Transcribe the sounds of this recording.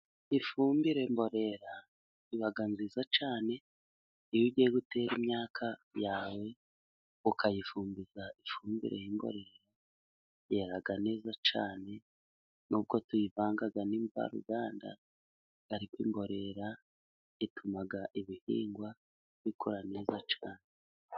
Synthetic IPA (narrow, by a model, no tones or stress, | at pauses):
ifuːmbiɾe̞mbo̞ɾe̞ɾa | iβaɡanzizat͡ʃaːne | ijiɟijeɡute̞ɾimɲaːkʰajaːwe̞ | ukʰajifuːmbizaifuːmbḭɾe̞̰jimbo̞̰ɾe̞ɾa | jeɾaɡane̞ːzat͡ʃa̰ːne̞ | nub̚ɡo̞tujivaːŋɡaɡaniːɱva̰ɾṵɡaːnda̰ | aɾikwḭːmbo̞ɾe̞ɾa | itʰumaɡaʔiβihḭːŋɡwa | βikʰoɾane̞ːzat͡ʃaːne